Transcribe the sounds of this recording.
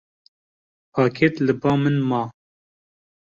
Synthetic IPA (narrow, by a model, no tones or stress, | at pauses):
pʰɑːkʰet̪lɨbɑːmɨnmɑː